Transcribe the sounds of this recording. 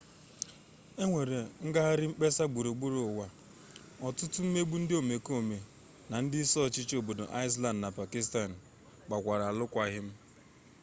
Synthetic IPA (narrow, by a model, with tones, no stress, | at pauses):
e˦ŋʷe˨ɾe˨ŋ̩˦ɡa˦ɦa˦ɾɪ˦ŋ͡m̩˦k͡pe˦sa˦ɡ͡bu˨ɾo˨ɡ͡bu˦ɾo˨wa˨ | ɔ˨tʊ˦tʊ˦m̩˦me˦ɡ͡bu˦n̩˦dɪ˦o˨me˨ko˨me˨ | na˨n̩˦dɪ˦sɔ˦˨t͡ʃɪ˦t͡ʃo˨bo˨do̰˨ʔa˦ɪ˦s̬la˦ndna˨pa˨ki˦sta˦˨n̩˨ | ɡ͡ba˨kʷa˨ɾa˨a˨lʊ˦kʷa˦ɦɪ˦m̩˦